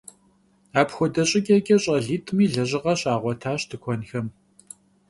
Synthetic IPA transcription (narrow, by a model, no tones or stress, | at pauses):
aːpxʷɔdɐɕʼɪkʼɐkʼɐɕʼɐɮiːtʰʼmiːɮɐʑɪʁɐɕʼaːʁʷɔtʰaːɕtʰɨkʷʰɔnxɐm